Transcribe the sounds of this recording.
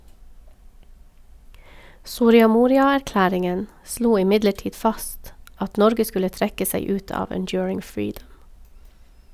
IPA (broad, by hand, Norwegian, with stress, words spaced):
sʊɾɪɑˈmuːɾɪɑæɾˌklæːɾɪŋən ˈsluː ɪˈmɪdləˌʈiːd ˈfɑst ˈɑt ˈnɔɾɡə ˈskʉlə ˈtɾɛkə ˈsæɪ ˈʉːt ˈɑːʋ ənˈdjʊːɹɪŋ ˈfɹiːdəm